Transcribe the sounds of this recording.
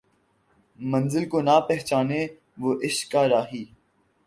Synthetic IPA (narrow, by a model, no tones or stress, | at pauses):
mɐ̃nzɪlkoːnapɛɦt͡ʃaːne | ʋoːʔɪʃkːaːɾaːɦiː